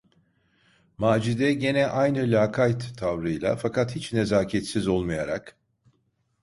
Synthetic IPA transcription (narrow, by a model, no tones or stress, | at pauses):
maːd͡ʒid̪ɛɟe̞nɛʔajnɯlʲaːkʰajt̪ʰːavɾɯjlˠa̰fakʰat̪hit͡ʃnezaːcʰɛt̪sizo̞lˠmajaɾa̰k